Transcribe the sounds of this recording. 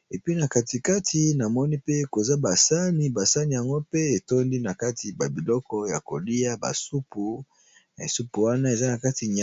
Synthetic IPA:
e˨pi˦na˨ka˨ti˨ka˦tʰi˨na˨mɔ˦ni˦pe˦ko˨za˦ba˨sa˦ni˨ba˨sa˦ni˨ja˨ŋɡo˦pe˦e˨to˦ndi˦na˨ka˦tʰi˨ba˨bi˨lɔ˦kɔ˦ja̰˨ko˨li˦a˦ba̰˨su˦pu˨ | na˨e˨su˦pu˨wa˦na˦e˨za˦na˨ka˦ti˨ɲa˨

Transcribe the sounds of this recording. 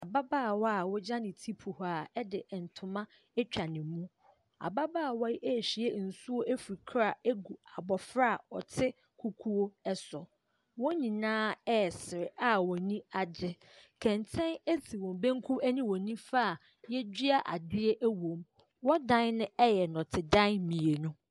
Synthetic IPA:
a˨ba˦baː˦˨wɔ˦a˨wɔ˦d͡ʑã˦nɪ̃˨tʰi˦pʰu˨ha˨ɛ˦dɪ˨n̩˨tʰʊ̃˨mã˦ | ɛ˦t͡ɕᶣa˨nɪ̃˨˦mũ˦ | a̰˨ba˦baː˦a˨wa˦ʔe˦˨ɕi˨ɛ˦˨n̩˨su˦wo˦ʔe˦fi˨kʰɾa˨e˦ɡu˨a˨bɔ˨fɾa˦˨ɔ˨tʰɪ˦ | kʰu˦kʰu˦wo˦ɛ˦sʊ˨ | wɔ̃˦ɲĩ˨nãː˦ɛ˦˨sɪ˨ɾɪ˨a˦wɔ̃˨nĩ˦a˨d͡ʑɪ˦ | kʰɛ̃˨n˨tʰɛ̃˦ne˦tʰi˨wɔ̃˨m˨bẽ˦ŋ̩˦kʰʊ˦æ˦nĩ˦wɔ̃˨nĩ˦fa˦˨ | jɛ˦d͡ʑᶣi˦a˦ʔa̰˨dɪ˦e˦ʔæ˦wõ˨m | wɔ˦dã˦nnʊ̃˦ɛ˦jɛ˨nɔ̃˨tʰɪ˨dã˦nmĩ˨e˨nʊ̃˦

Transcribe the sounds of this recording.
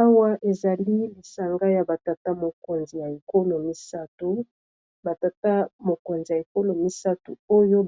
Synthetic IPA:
a˦wa˦ʔe˨za˨li˦li˨sa˨ŋɡa˦ja˨ba˨ta˨ta˦mo˨ko˨nzi˨ja˨e˨ko˦lo˨mi˦sa˦tu˦ | ba˨ta˨ta˦mo˨ko˨nzi˨ja˨e˨ko˦lo˨mi˦sa˦tṵ˨o˦jo˦

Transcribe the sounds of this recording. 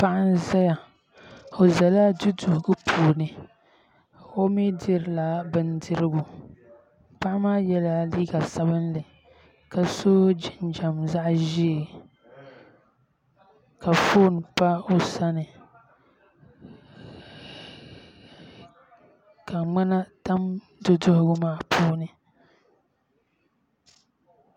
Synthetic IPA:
pa˦ʔa˦n˦za˦ja˨ | o˨za˨la˦dɨ˦du˨hɡɨ˦pʰuː˨nɨ˨ | o˦mi˦dɨ˦ɾɨ˨la˨bɨ˦ndɨ˦ɾɨ˦bu˨ | pa˦ʔa˦maː˦jɛ˦la˦liː˦ɡa˨sa˦bɨ˦nlɨ˨ | ka˨so˦d͡ʒɪ˦nd͡ʒa˨mza˦ʔʒi˦e˨ | ka˨fo˦˨n˨pa˦o˦sa˦nɨ˨ | ka˨ŋ͡ma˦na˦ta˦m | dʊ˦dʊ˦hʊ˦ɡʊ˦maː˦˨pʰuː˦nɨ˨

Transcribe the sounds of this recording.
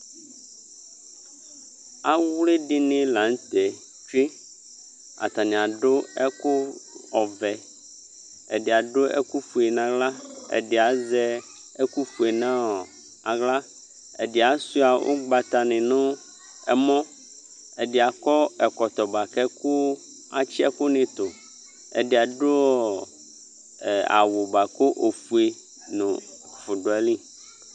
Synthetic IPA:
a˦wlɪ˦ɖɪ˦nɪ̃˦lã˨˦n˦t̪ɛ˨ | t͡ʃɾi˦ | a̰˨t̪a˨nɪ̃˨a˨ɖʊ˦ɛ˦kʊ˦ɔ˨vɛ˨ | ɛ̰˨ɖɪ˨a˨ɖʊ˦ɛ̰˦ku˦fu˨e˨nã˨ɡla˦ɛ̰˨ɖɪ˨a˨zɛ˦ | ɛ˦ku˦fu˨e˨nã˦ɔ˨ | a˨ɣla˦ | ḛ˨de˨a˨su˦a˨wʔo̰˦ɡ͡ba˨t̪a˨nɛ̃˨nõ˦ | ɛ˨mɔ̃˦ | e˨ɖe˨a˨kɔ˦ɛ˨kɔ˨t̪ɔ˨ba˨kɛ˦ku˦ | a̰˨t͡ɕi˦ɛ̰˦ko˦nẽ˨t̪o˨ | ḛ˨ɖe˨a˨ɖo˦˨ | a̰˨wo˨ba˨ko˦ʔo˨ɸu˨e˨ | nõ˨fʊ˨ɖo˨ɛ˨lĩ˦

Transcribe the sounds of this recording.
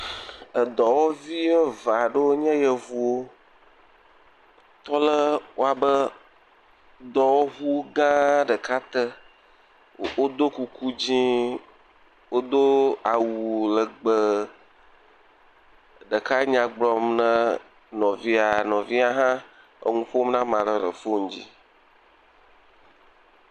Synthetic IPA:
ə˨d̪ɔ˨wo˦vi˦ə˦va˨ɖə˦wo˦ɲɛ̃˦jə˨vu˨wo˦ | t̪ɔ˦lə˦wo˦a˨bə˦ | d̪ɔ˨wo˦ɣu˦ɡã˦ɖə˨ka˦t̪ə˦ | wo˦d̪o˦ku˨ku˦d͡ʑĩ˦ | wo˦d̪o˦a˨wu˨lə˨ɡ͡bə˦ | ɖə˨ka˦ɲã˨ɡ͡blɔ˨mnə̃˦ | nɔ̃˨vi˦a˨nɔ̃˨vi˦a˦ɦã˦ | ə̰˦ŋũ˦fo˦mnã˦mã˨lə˨lə̰˨fo˦ŋ̩˦d͡ʑḭ˦

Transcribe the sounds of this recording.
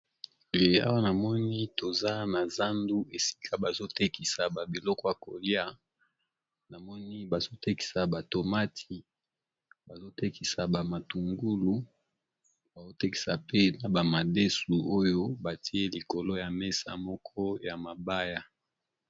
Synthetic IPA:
le˨˦a̰˦wa˦na˨mɔ˦ni˦to˨za˦na˨za˦ndu˦e˨si̥˦kʰa˦ba˨zo˦te˦ki˨sa˨ba˨bi˨lɔ˦kɔ˦ja˨ko˨li˦a˦ | na˨mɔ˦ni˦ba˨zo˦te˦ki̥˨sa˨ba˨to˨ma˦tʰi˨ | ba˨zo˦te˦ki˨sa˨ba˨ma˨tu˨ŋɡu˦lu˨ | ba˨zo˦te˦ki̥˨sa˨pe˦na˨ba˨ma˨de˦su˨o˦jo˦ba˨tʰi˦e˦li˨ko˨lo˦ja˨me˦sa̰˨mɔ˦kʰɔ˦ja˨ma˨ba˦ja˨

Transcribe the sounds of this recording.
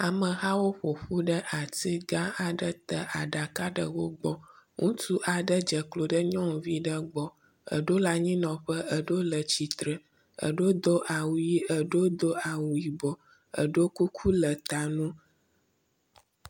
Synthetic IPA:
a˨mə̃˨ɣa˦wo˦ɸo˨ɸu˦ɖə˦ʔa˨ti˦ɡã˦a˨ɖə˦t̪ə˨ʔa˨ɖa˨ka˦ɖə˨wo˦ɡ͡bɔ˦ŋũ˦t̪u˦ʔa˨ɖə˦d͡ʒə˨klo˨ɖə˦ɲɔ̃˦ŋ˨vi˦ɖə˦ɡ͡bɔ˦ | ə̰˨ɖo˦la˦ɲĩ˦nɔ̃˨ɸə˦ə˨ɖo˦lə˨t͡ɕi˨t̪ɾə˨ | ə̰˨ɖo˦d̪o˦ʔa˨wu˨ji˦ə˨ɖo˦d̪o˦a˨wu˨ji˨bɔ˨ | ə̰˨ɖo˦ku˦kʰu˦lə˨t̪a˨nũ˦

